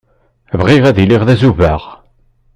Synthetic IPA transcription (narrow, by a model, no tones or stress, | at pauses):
vʁiʁæðiliʁðæzuvæʁ